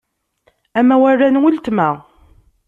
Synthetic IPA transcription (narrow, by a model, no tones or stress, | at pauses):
æmæwærːænwəlt̪mæ